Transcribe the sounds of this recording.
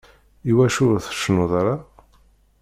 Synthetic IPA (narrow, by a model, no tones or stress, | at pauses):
iwæʃʊɾθə̥ʃnuðˤaɾa